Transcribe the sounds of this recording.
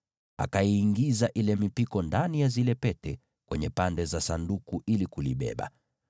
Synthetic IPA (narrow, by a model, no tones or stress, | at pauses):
a̰kaiːŋɡizaʔilɛmipikɔndanijazilɛpɛtɛ | kwɛɲɛpandɛzasandukuʔilikulḭɓɛ̰ɓa̰